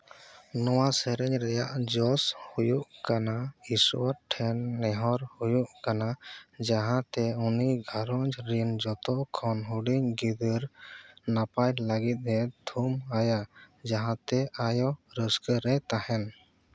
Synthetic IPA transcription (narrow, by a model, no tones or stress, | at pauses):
nɔwasəɾɛɲɾɛjaʔd͡ʒɔshujuʔkanaisuwaʈʰɛnːɛɦɔɾhujuʔkanad͡ʒaɦãt̪ɛuniɡʱaɾɔɲd͡ʒɾind͡ʒɔt̪ɔʔkʰɔnɦuɖiɲɡid̪əɾnapajlaɡit̪̚ˀɦɛt̪ʰumajad͡ʒaɦãt̪ɛʔajɔɾəskəɾɛt̪ahɛn